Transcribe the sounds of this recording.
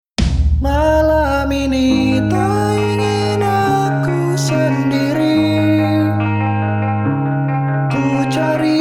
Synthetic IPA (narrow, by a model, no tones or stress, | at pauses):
mala | mini | t̪a | iŋi | na | ku | səndiɾi | t̪u | t͡ʃaɾi